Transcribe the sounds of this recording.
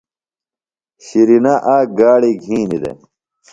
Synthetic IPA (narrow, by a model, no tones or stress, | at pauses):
ɕiɾinaʔaːɡaːɽiɡʱiːnid̪ḛ